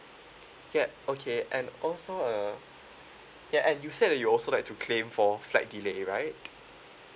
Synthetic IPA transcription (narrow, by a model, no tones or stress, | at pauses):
jɛokʰeʔɛ̃nɔlsoə | jaʔɛ̃njused̚dɛt̚juɔlsolaɪk̚tʰukʰlẽɱfɔfla̰t̚dileɹaɪt̚